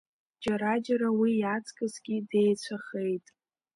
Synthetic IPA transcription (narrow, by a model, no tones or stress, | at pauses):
d͡ʒaɾad͡ʒaɾawijat͡sʰʼkʼazɡʲide̞jt͡ɕʷʰaχe̞jtʼ